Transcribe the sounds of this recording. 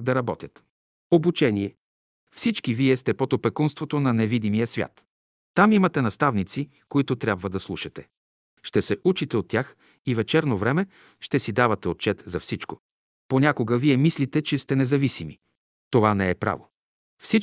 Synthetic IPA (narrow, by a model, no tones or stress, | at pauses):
d̪ɐɾɐbɔt̪ʲjət̪ | obut͡ʃɛniɛ | fsit͡ʃkiviɛst̪ɛpot̪opɛkunst̪vot̪onɐnɛvid̪imijəsvʲja̰t̪ː | amimɐt̪ɛnɐst̪avnit̪si | koit̪ʊt̪ɾʲjabvəd̪ɐslˠuʃɐt̪ɛ̥ | ʃt̪ɛsɛʔut͡ʃit̪ɛot̪ːʲjax | ivɛt͡ʃɛɾnovɾɛmɛ | ʃt̪ɛsid̪avɐt̪ɛot̪̚t͡ʃɛt̪zɐfsit͡ʃko | ponʲakoɡəviɛmislit̪ɛt͡ʃɛst̪ɛnɛzɐvisimi | t̪ovanɛɛpɾa̰vo | fsi